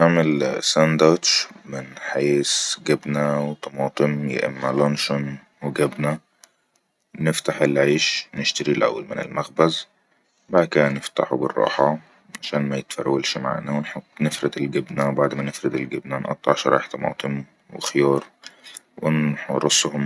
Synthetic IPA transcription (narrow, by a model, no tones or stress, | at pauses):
naʕmelsænd̪ɑʃmɪnħeːsɡɪbnæwt̪ˤɑmɑːt̪ˤɨmjḛʔɪ̰mːalɑnʃʊn | weɡæbnæ | nɪft̪aħelʕeːʃnɪʃt̪aɾilʔæ̰wːalmɪnɪ̰lmaxbæz | baʕd̪kɪdænɪft̪a̰ħubɪ̰rˤːɑ̰ːħɑ | ʕaʃæːnmæjɪt̪fæ̰ɾːælʃma̰ʕnæwɪnħɑt̪ˤːnɪfɾɪd̪elɡɪbnæbaʕd̪mænɪfɾɪd̪ɪlɡɪbnænʔɑ̰t̪ˤːɑʕʃɾˤɑ̰ːeħt̪ˤɑmɑ̰ːt̪ˤɨm | wɪ̰xjɑːɾˤ | wɪnħɾˤɑsˤːhʊm